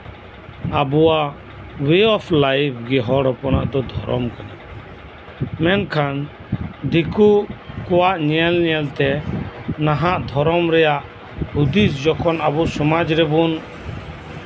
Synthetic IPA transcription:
abuwaʔ | weɔpʰlajpʰɡɛɦɔɽɔpɔnaʔd̪ɔd̪ʱɔɾɔ̰mkana | mɛnkʰan | d̪ikukɔwaʔɲɛɛlnɛɛlt̪ɛ | naɦaʔd̪ʱɔɾɔmɾɛjaʔ | ud̪isd͡ʒɔkʰɔnabɔsɔmad͡ʒɾɛbun

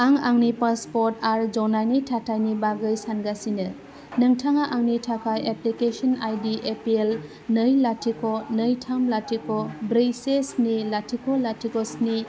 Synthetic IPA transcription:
aŋaŋnipaspɔɾtaɾd͡ʒɔnajnitʰatʰajnibaɡɯjsanɡasinɯ | nɯŋtʰaŋaʔaŋnitʰakʰajeplikesɔnajdiʔepiel | nəjlatʰikʰɔnəjtʰamlatʰikʰɔbɾijsesnilatʰikʰɔlatʰikɔsni

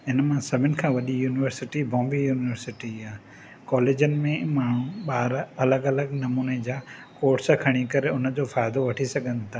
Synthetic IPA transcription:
ɪnəmãsɐbʱɪnɪ̆kʰãːʋɐɗijuːnɪʋəɾsɪʈibɔ̃ːmbijuːnɪʋəɾsɪʈiaː | kɔːleːd͡ʑənɪ̆mẽmaːɽ̃ũɓaːɾɐləɡɐləɡnɐmuːned͡ʑaːkoːɾʈskʰɐɽ̃ikɐɾeʊnə̆d͡ʑoːfaːɪd̪oʋɐʈʰisɐɡʱə̃nt̪ʰaː

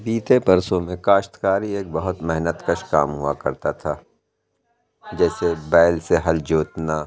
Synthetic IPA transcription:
biːt̪epɐɾsõmẽkaːʃt̪kaːɾieːk̚bɐɦʊt̪mɛɦnət̪kɐʃkaːmɦua̰kɐɾt̪at̪ʰaː | d͡ʒɛːsebɛːlseɦɐld͡ʒoːt̪naː

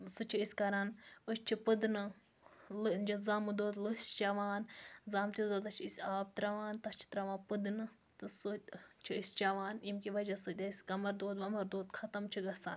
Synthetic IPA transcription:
sɨt͡ʃʰiisʲkɐɾanəsʲt͡ʃʰipɨd̪nɨ | lɨd͡ʒɐzaːmɨd̪oːd̪lɨsʲt͡ʃɐʋaːnzaːmt̪ʲid̪oːt̪ɐt͡ʃʰiisʲaːb̚t̪ɾɐʋaːnt̪ɐst͡ʃʰi̥t̪ɾɐʋãːnpɨd̪nɨ | t̪ɨsut͡ʃʰiisʲt͡ʃɐʋaːnimkiʋɐd͡ʒɐsɨt̪ʲɐsʲkɐmɐɾd̪oːd̪ʋɐmɐɾd̪oːd̪kʰɐt̪ɐmt͡ʃʰiɡɐsa̰ːn

